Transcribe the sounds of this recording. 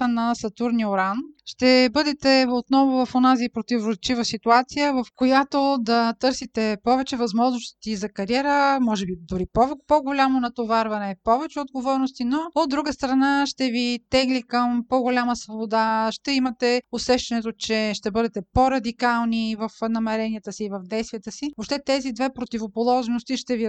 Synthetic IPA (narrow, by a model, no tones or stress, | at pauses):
ənɐsɐt̪uɾnioɾanʃt̪ɛbɤd̪ɛt̪ɛot̪nɔvovɐfonazipɾot̪ivɾot͡ʃivəsit̪uat̪sijəvɐfkojat̪od̪ɐt̪ɤɾsit̪ɛpɔvɛt͡ʃɛvɐzmɔʒnost̪izɐkɐɾiɛɾəmɔʒɛbid̪ʊɾipɔpoɡolʲamonɐt̪ovaɾvɐnɛpɔvɛt͡ʃɛod̪ɡovɔɾnost̪inood̪ɾuɡəst̪ɾɐnaʃt̪ɛvit̪ɛɡlikəmpoɡolʲaməsvobod̪aʃt̪ɛimɐt̪ɛosɛʃt̪ɛnɛt̪ot͡ʃɛʃt̪ɛbɤd̪ɛt̪ɛpoɾɐd̪ikalˠnivɐfnɐmɛɾɛnijət̪əsiːvɐvd̪ɛjst̪vijət̪əsivopʃt̪ɛt̪ɛzid̪vɛpɾot̪ivopolˠɔʒnost̪iʃt̪ɛvi